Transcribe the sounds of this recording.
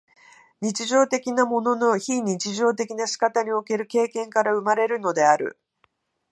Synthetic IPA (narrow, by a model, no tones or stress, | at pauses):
ɲ̟it͡ɕiʑo̞ːt̪e̞kʲinamo̞no̞no̞çiɲ̟it͡ɕiʑo̞ːt̪̬e̞kʲinaɕi̥kat̪aɲ̟io̞ke̞ɾɯ̟ke̞ːkẽ̞ŋkaɾaɯ̟maɾe̞ɾɯ̟no̞d̪e̞aɾɯ̟̰